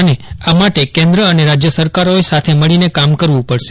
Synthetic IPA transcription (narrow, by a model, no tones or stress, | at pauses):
neamaʈekɛ̃nd̪ɾəəneɾad͡ʒjəsəɾkaɾoesat̪ʰeməɭinekamkəɾʋũpəɭʃe